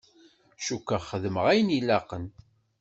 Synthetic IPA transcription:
ʃukːaχəðməʁæjənilæqən

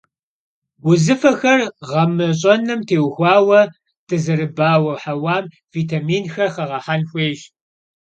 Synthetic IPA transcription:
wʊzɨfɐxɐrʁɐmɨɕʼɐnɨmtʰeːwxʷɑːwɐ | d̥ɨzɐrɨbaːwɐħawaːm | viːtʰaːmiːnxɐrχɐʁɐħanxʷeːʒ

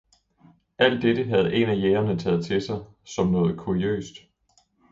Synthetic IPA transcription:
ʔæl̰d̥ed̥əɦæð̞̩ˠe̝næjeːɐnət͡sʰɛ̰ːð̞̩ˠt͡sʰe̝sɑ̈ɪ | sɒ̽mnɔ̽ːð̞̩ˠkʰuiø̰ːsd̥

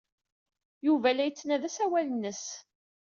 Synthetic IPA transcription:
juvælæjət͡sːnæðæsæwælənːəs

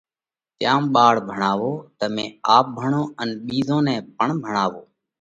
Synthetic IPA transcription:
t̪jaːmɓaːɽbʱəɳaːʋoːt̪əmẽːaːp̚bʱəɳõːənɓiːzõːnɛ̃ːbʱəɳbʱəɳaːʋoː

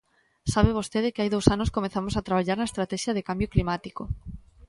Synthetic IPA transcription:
saβeβ̞ost̪eðɪkɪajðowsanoskomẽθamosat̪ɾaβ̞aʎaɾnɐest̪ɾat̪ɛʃjɐðekambjoklimat̪iko

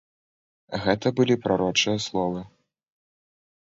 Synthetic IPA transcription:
ɣɛt̪ɐbɨlʲipɾaɾɔt͡ʂɨjɐslˠɔvɨ

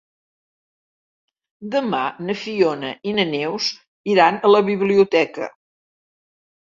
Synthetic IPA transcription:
d̪əmanəfionəʔinənews | iɾanələβiβliut̪ɛkə̰

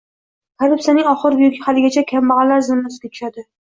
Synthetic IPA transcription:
kʰaɾɪpsanɪŋɒχɨɾbʊjʊkʲhalɪɡʲat͡ʃʰakʲʰambɑʁɑlaɾzɪmːɪsɡʲat̪ʰʊ̥ʃad̪ɪ

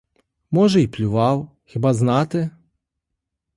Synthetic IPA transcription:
mɔʐɛiplʲʊʋɑw | xʲɪbaznɑt̪ɪ

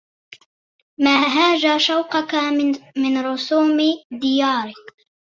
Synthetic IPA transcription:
maːɦaːd͡ʒaːʃawqɑkamɪnɾʊsuːmd̪ɪjɑːɾɪ

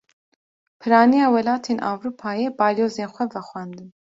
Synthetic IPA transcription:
pʰɨɾɑːnijɑːwɛlaːt̪ʰeːnʔa̰ːwɾuːpʰaːjɛbɑːloːzeːnxʷɛvɛxʷɛːnd̪ɨn

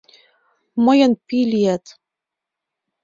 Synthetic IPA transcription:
mɤjɤ̆npilʲiæt̪

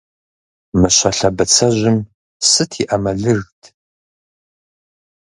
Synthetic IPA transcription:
mɨɕɐɬɐbɐt͡sʰɐʑʷɪm | sɨtʰiʔɐmɐɮɨrɣtʰ

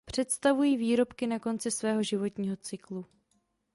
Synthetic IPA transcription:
pr̝̥ɛt̪st̪avujiːviːɾo̞pkɪnako̞nt͡sɪsvɛːɦo̞ʒɪvo̞t̪ɲiːɦo̞t͡sɪklu

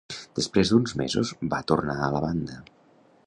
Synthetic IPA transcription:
d̪̥əspɾezd̪unzmḛzṵzbat̪urnaələβand̪ə

